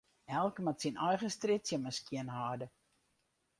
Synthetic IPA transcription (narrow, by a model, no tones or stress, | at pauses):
ɛlˠkmatsinʔɔjɣəstrɪtsjəməskiənɦaːdə